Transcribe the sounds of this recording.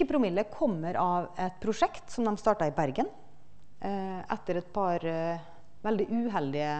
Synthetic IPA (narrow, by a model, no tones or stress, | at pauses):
əpʰɾʊmɪlːəkʰɔmːəɾʔɑʋɛt̪̚pʰɾʊʂɛkt̪sɔmd̪ɛmst̪ɑːʈɑɪbæɾɡən | ʔɛt̪ːəɾɛt̪̚pʰɑɾ | ʋɛld̪ɪʔʉɦɛld̪ɪə